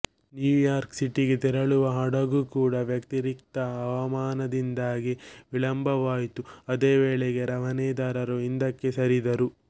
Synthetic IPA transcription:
njuːjaːɾksiʈiɡet̪iɾɐɭuʋɐɦɐɽɐɡukuːɽɐʋjɐkt̪iɾik̚t̪ɐːʋɐmaːnɐd̪ind̪aːɡiʋiɭɐmbʱɐʋaːjt̪uɐd̪eːʋeːɭeɡeɾɐʋɐnɛːd̪aːɾɐɾuind̪ɐkːesɐɾid̪ɐɾu

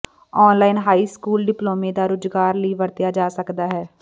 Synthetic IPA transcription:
ɔːnlaːɪnɦaːiːskuːlɖɪploːmeːd̪aːɾʊd͡ʒɡaːɾləiːʋəɾt̪jaːd͡ʒaːsəkd̪aːɦɛː

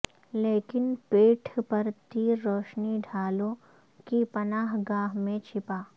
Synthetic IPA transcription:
leːkɪnpeːʈʰpɐɾt̪iɾoːʃniɖʱaːlõ | kipɐnaːɦɡaːɦmẽt͡ʃʰɪpaː

